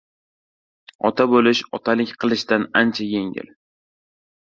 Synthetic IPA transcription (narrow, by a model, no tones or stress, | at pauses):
ɒ̰t̪ʰabolɪʃɒt̪ʰalɪkʲqʰɨlˠɪʃd̪anant͡ʃʰajeŋɪ̰l